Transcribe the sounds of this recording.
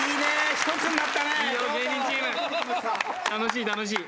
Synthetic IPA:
iːneɕt̪ot͡sɨnːat̪ːaneiːjoɡeːɲĩɲt͡ɕiena | t̪anoɕ̬iːt̪anoɕ̬iː

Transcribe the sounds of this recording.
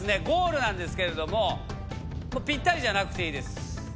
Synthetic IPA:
sɨne̞ɡo̞ːɾɯ̟nãnd̪e̞sɨ̥ke̞ɾe̞d̪o̞mo̞ | moːpʲĩt̪ːaɾʲiʑanakɯ̟̥t̪e̞iːd̪e̞sɨ̥

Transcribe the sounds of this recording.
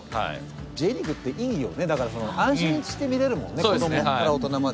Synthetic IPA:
ha̰ | d͡ʑe̞ɾʲiɡɯ̟t̪ːe̞ʔijo̞̰ne̞d̪akaɾaso̞no̞ʔãɰ̃ɕĩɲit͡ɕɨ̥ɕi̥t̪e̞mʲiɾe̞ɾɯ̟mõ̞nːeoeaɾao̞t̪o̞nama

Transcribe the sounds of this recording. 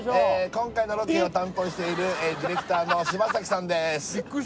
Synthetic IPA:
ekõ̞ŋkaino̞ɾokʲiːot̪ãnt̪o̞ːɕi̥t̪e̞iɾɯ̟d̪ʲiɾe̞kɯ̟̥t̪aːno̞ɕibas̬akʲi̥sãnd̪esɨ̥

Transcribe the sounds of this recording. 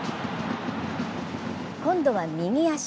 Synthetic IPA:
kõ̞nd̪o̞βamʲiŋʲiaɕ

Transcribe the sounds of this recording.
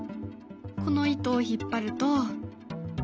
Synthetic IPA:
ko̞no̞it̪oːçipːaɾɯ̟t̪o

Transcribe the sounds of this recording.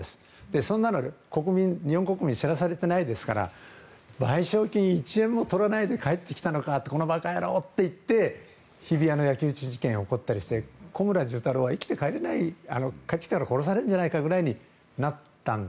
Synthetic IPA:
esɨ̥ | d̪̥e̞sõ̞nːanoeko̞kɯ̟mʲĩnɲihõŋko̞kɯ̟mʲĩɕiɾasaɾe̞t̪enaid̪e̞sɨ̥kaɾa̰ | baiɕo̞ːkʲiɲ̟iːt͡ɕiẽ̞mːo̞t̪o̞ɾanaid̪e̞kae̞t̪ːekʲi̥t̪ano̞kat̪ːe̞ko̞nobakaeɾoːt̪ːe̞it̪ːe̞ | çibʲiano̞jakʲɨɯt͡ɕiʑikẽ̞ɰ̃o̞ko̞t̪ːaɾʲiɕi̥t̪e̞ko̞mɯ̟ɾaʑɨːt̪aɾoːβaikʲi̥t̪e̞kaeɾe̞naia̰no̞kai̥t̪akaɾako̞ɾo̞s̬aɾeɯ̃ɲ̟d͡ʑanaikaɡɯ̟ɾaiɲ̟i | nat̪ːãn

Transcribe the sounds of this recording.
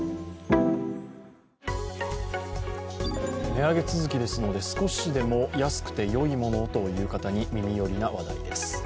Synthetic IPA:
ne̞aɡe̞t͡sɨzɨkʲid̪e̞sɨno̞d̪e̞sɨ̥ko̞ɕid̪e̞mo̞jasɨ̥kɯ̟̥t̪e̞jo̞imo̞no̞t̪o̞jɯ̟ːkat̪aɲ̟imʲimʲijo̞ɾʲinaβad̪a̰ḭd̪e̞sɨ̥

